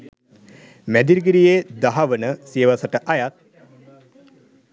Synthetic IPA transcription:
mæd̪iɾɡiɾijed̪aɦaʋənəsiəʋasəʈəʔajat̪̚

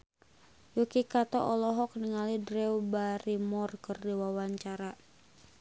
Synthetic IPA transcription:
jokikat̪ɔ̰ʔɔlɔɦɔk̚nəŋalidɾɛwbaɾimɔrkɨrdiwawaɲt͡ʃaɾa

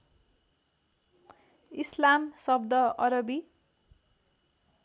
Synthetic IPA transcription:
islamsʌbd̪ʌʌɾʌbi

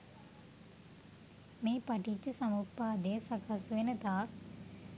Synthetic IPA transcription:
meːpɐʈit͡ʃːəsɐmuppːaːd̪ejsɐkasʋenət̪aːk

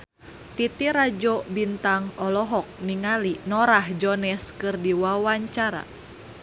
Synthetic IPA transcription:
t̪it̪iɾad͡ʒɔbint̪aŋɔlɔɦɔk̚niŋalinɔɾahd͡ʒɔnɛskɨrdiwawaɲt͡ʃaɾa̰

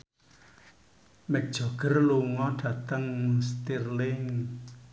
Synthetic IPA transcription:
mɛd̥ʒ̥ɔ̤ɡ̥ə̤rluŋɔɖ̥ä̤t̪əŋst̪irlɪŋ

